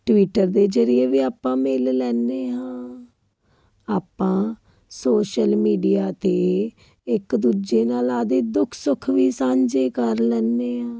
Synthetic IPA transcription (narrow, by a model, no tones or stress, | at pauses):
ʈʋiːʈəɾd̪eːd͡ʒəɾɪeːʋiːaːpːãːmɪllɛːneːɦãː | aːpːãː | soːʃəlmiːɖijaːt̪eː | ɪkd̪uːd͡ʒeːnaːlaːd̪eːd̪ʊkʰsʊkʰʋiːsãːɲd͡ʒeːkəɾlɛːnːeːɦãː